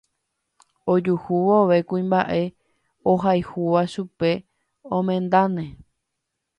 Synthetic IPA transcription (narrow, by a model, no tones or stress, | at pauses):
od͡ʒuhuʋooʋe̞kuĩmba̰ʔe̞ | oɦajhuʋaʃupe̞ | õmẽ̞nd̪anẽ